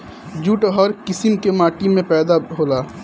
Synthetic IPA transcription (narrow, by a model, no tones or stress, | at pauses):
d͡ʒuːʈɦɔɾkɪsɪmkemaːʈimẽpɛːd̪aɦoːlaː